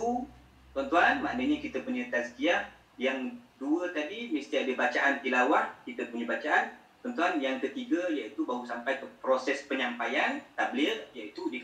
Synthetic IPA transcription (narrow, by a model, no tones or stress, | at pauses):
u | t̪ɔnt̪uanmaʔnəɲakit̪əpuɲãt̪askiaʔ | jaŋduət̪adimist̪iadəbat͡ʃaʔant̪ilawaʔkit̪əpuɲãbat͡ʃaʔan | t̪ɔnt̪uanjaŋkət̪iɡajait̪ubaɦusampajppɾosɛspəɲãmpajant̪ablɪrjait̪udik